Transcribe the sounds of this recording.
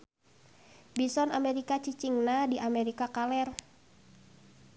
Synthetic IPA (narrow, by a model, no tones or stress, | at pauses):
bisɔnamɛɾikat͡ʃit͡ʃiŋnadiʔameɾikakalɛr